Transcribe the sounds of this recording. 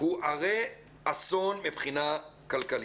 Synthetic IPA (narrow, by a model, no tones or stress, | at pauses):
huʔaʁe | asonmipχinakalkali